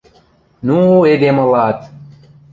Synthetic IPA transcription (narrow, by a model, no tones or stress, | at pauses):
nued̪eməlat̪